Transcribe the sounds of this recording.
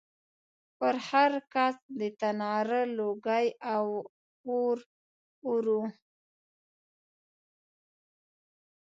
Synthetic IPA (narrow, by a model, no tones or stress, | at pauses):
pəɾhaɾkasd̪ət̪anɑɾəloɡajaw | oɾ | uɾu